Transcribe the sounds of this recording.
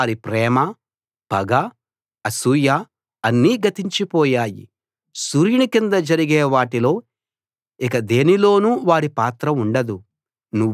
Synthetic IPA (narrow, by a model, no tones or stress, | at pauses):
ɾipɾɛːmɐ | pɐɡa | ɐsuːja | ɐnːiːɡɐt̪iɲt͡ʃipɔːjaːjḭ | suɾjinikind̪ɐd͡ʒɐɾiɡeːʋaːʈilo̞ː | ikɐd̪e̞ːnilo̞ːnuʋaːɾipaːt̪ɾɐmuɳɖɐd̪u | nu